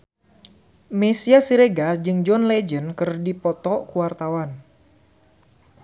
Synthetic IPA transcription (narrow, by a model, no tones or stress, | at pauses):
mesiasiɾeɡad͡ʒɨŋd͡ʒɔnlɛd͡ʒənkɨrdipɔt̪ɔkuwart̪awan